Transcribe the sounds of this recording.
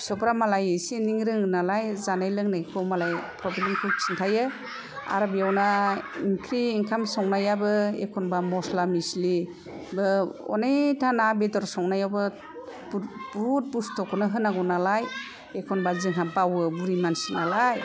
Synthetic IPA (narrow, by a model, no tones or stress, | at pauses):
sɔpɾamalajɯsiniŋɾɯŋɯnalajzanajlɯŋnajkʰɔwmalajpʰɾɔblemkʰɯt͡ʃʰintʰajɯ | a̰ɾbijawnaiŋkʰɾiːŋkʰamsɔŋnajabɯḛkʰɔnbamɔslamisli | bɯɔ̰netʰanabedɔɾsɔŋnajabɯ | bɾut̚bustʰɔkʰɔnɯɦɯnaɡɔnalaj | ekʰɔnbazɯŋɦabawɯbuɾimansinalaj